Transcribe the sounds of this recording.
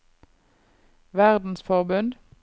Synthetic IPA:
ʋæʁd̪n̩sfɔʁbʉnd̪

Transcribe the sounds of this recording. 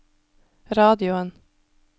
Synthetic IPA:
ɾɑːd̪ɪʊən

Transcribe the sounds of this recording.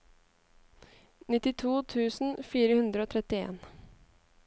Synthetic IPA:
nɪt̪ɪt̪ʰuːt̪ʰʉːsn̩fiːɾəhʉnd̪ɾəoːt̪ʰɾɛt̪ɪḛːn

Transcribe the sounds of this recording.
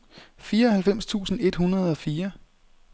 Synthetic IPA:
fiːɐɒ̽hælfem̰st͡sʰṵːsn̩e̝d̥hunɐð̞ˠɒ̽fiːɐ

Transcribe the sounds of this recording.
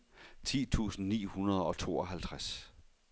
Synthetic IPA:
t͡sʰḭːt͡sʰṵːsn̩nḭːhunɐð̞ˠɒ̽t͡sʰo̝ːɒ̽ɦælt͡sʰʁas

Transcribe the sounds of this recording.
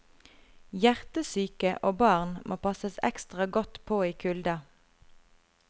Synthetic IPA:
jæʁt̪əsyːkəʔoːbɑːʁnmʔo̰ːpʰɑsəsɛ̰kst̪ʁɑɡɔt̪pʰoːiːkʰʉld̪ɑ

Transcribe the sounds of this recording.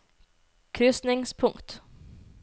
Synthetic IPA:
kʰɾʏsnɪŋspʰʊŋkt̪

